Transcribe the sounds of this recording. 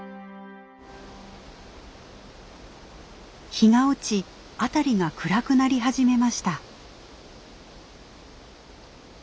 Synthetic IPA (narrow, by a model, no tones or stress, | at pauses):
çiŋaot͡ɕi | at̪aɾʲiɡakɯ̟ɾakɯ̟naɾʲiɦaʑime̞maɕi̥t̪a